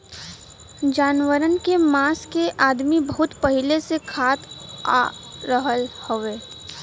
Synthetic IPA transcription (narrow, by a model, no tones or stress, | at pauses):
d͡ʒaːnwəɾənkemaːskeʔaːd̪mibəɦʊt̪pɐɦɪlesekʰaːt̪a̰ːɾəɦəlhoʋeː